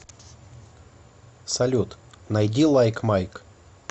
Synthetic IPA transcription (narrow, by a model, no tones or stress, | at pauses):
sɐlʲut̪nɐjdʲilˠajkmajk